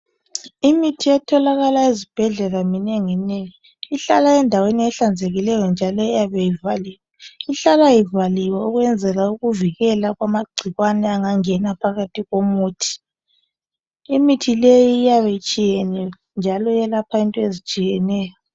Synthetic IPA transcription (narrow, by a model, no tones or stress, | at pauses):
imitʰiɛtʰɔlaɣalaizib̥ʱɛɮɛlaminɛŋɛnɛjɔ | iɬalaɛndʱaweniɛɬand͡zʱeɣilɛjɔnd͡ʒʱalɔijaβɛjivaliːwɛiɬalajivaliwɛuɣwɛnd͡zʱɛlauɣuviɣɛlaɣwamaɡ͡ǀʱiɣwanɛaŋaŋɛnapʰaɣatʰiɣomuːtʰi̥ | imitʰilejiːjaβejit͡ʃʼijɛnɛɔ | nd͡ʒʱalɔjɛlapʰaintʼɔezit͡ʃʼijɛnɛːjɔ